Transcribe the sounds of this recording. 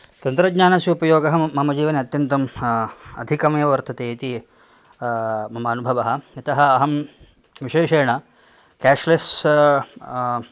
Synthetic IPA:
t̪ɐnt̪ɾɐɡɲaːnɐsjiupɐjoːɡɐɦɐmɐmɐd͡ʒiːʋɐneɐt̪jɐnt̪ɐm | ɐd̪ʱikɐmɐjɐʋɐɾt̪ʰɐt̪eːit̪i | mɐmɐːnubʱɐʋɐɦɐ̆ɐt̪ɐɦɐɐɦɐm | ʋiʃeːʃeːɐɳɐ | kæːʂles

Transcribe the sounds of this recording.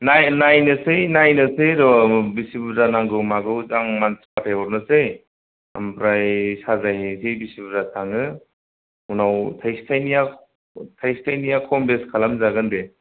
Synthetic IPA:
najnajnɯsejnajnɯsejɾɔbisibuzanaŋɡɯwmaɡɯwzaŋmanspatʰajɔɾnɯsej | a̰mpʰɾajsazajhesejbisibuzatʰaŋɯ | unawtʰajstʰajnija | tʰajstʰajnijakʰɔmbeskʰalamzaɡɯnde

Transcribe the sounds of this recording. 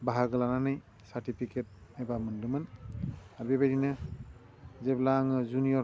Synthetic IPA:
baɦaɡɯlananaj | satipʰiket̚ɛbamɯndɯmɯn | abibadinɯ | zɛblaŋzunijɔ

